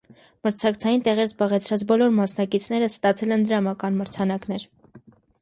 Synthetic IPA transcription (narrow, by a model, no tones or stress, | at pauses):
məɾt͡sʰɑkt͡sʰɑjint̪ɛʁɛɾzbɑʁɛt͡sʰɾɑt͡sbɔlɔɾmɑsnɑkit͡sʰn̪ɛɾəst̪ɑt͡sʰɛlɛnd̪əɾɑmɑkɑnməɾt͡sʰɑnɑknɛɾ